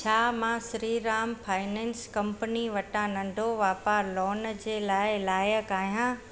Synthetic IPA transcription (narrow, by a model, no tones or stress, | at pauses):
t͡ɕʰaːmãːsɾiːɾaːmfʰaːɪnɛ̃ːnskɐ̃mpəniʋɐʈãnɐ̃nɖʱoʋaːpaːlɔːnd͡ʑeːlaːɪlaːjəkaːɦijãː